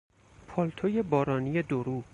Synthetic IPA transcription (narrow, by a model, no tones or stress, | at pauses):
pʰɒːlt̪ʰoje̞bɒːɾɒːnije̞d̪oɾuː